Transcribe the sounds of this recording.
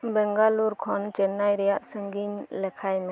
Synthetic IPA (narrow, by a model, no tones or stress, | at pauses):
bɛŋɡaluɾkʰɔnt͡ʃɛnːajɾɛjaʔsəŋɡiɲlɛkʰajmɛ